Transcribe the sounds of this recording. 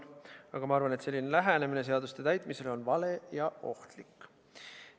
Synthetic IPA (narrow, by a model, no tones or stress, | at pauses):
ɑɡ̥ɑmɑɑrvɑnet̪se̞lːinelæɦænemine̞seɑd̪ust̪e̞t̪æjt̪ˑmise̞lo̞nvɑle̞jɑo̞̰ht̪likː